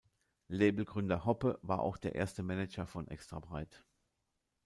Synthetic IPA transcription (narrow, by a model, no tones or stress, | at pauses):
leːbl̩ɡʁʏndɐhɔpəva̰ːɐʔa̰ʊxd̥eːɐʔḛːɐstəmɛnɛt͡ʃɐfɔnʔɛ̰kstʁ̥abʁaɪt